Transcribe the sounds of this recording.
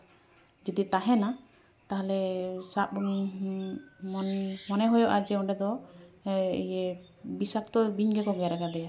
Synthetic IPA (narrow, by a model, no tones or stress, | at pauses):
d͡ʒɔd̪it̪aɦɛna | t̪aɦalɛsap̚ | mɔnmɔnɛɦɔjɔʔad͡ʒɛɔɳɖɛd̪ɔ | ḭjɛ | bisak̚t̪ɔbiɲɡɛkɔɡɛɾaɡad̪ɛja